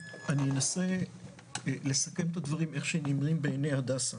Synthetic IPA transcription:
anijenase̞ | le̞sake̞met̪ad̪vaʁime̞χʃenimʁimbeːnejad̪asa

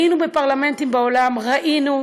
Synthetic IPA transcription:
inubepaʁlamẽntimbaolamʁaʔinu

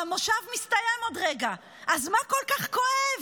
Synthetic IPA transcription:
amoʃavmist̪ajɛmodʁeɡa | ʔazmakolkaχkoev

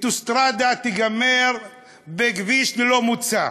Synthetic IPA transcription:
t̪ust̪ɾad̪at̪iɡameɾ | beɡviʃlilomut͡sa

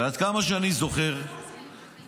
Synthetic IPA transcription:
ead̪kamaʃeanizo̞χeʁ

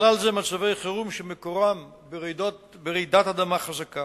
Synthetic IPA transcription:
lalzemaʃavejχeʁumʃemekoʁam | bdobeʁid̪at̪ad̪amaχazaka

